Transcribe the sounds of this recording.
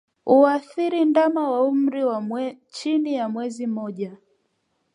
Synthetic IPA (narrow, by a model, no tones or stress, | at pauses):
uaθiɾindamawaum̩ɾiwa | t͡ʃinijamwɛzim̩mɔʄa